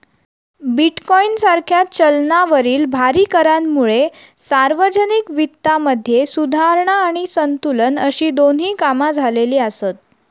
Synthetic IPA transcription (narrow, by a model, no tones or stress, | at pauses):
biʈkɔinsaɾkʰjat̚t͡ɕəlnaʋəɾiːlbʱaɾiːkəɾanmuɭe | saɾʋəd͡ʑənikʋit̪ːaməd̪ʱːjesud̪ʱaɾɳaːɽ̃isənt̪ulənəɕiːd̪on̤ɦiːkamad͡zʱaleliːasət̪̚